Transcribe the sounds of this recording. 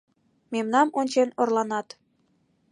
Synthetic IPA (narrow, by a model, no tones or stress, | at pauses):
memnɑmonʲt͡ɕenorlɑnɑt̪